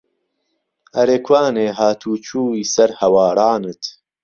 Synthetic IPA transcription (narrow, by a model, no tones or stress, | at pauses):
ɐɾeːkʰwaːneːɦaːt̪ʰuːt͡ʃʰuːiːsɐɾhɐwaːɾɑːnɨt̪